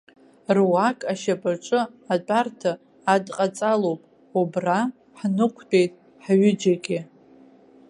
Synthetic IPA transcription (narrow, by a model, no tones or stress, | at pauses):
rwakʼaʃapʼaʈ͡ʂʼɨat͡pʼartʰaː | dqʼat͡sʼalowpʼ | ubra | ħnɨqʷʰtʰʼe̞jtʼ | ħɥʏd͡ʒaɡʲɪ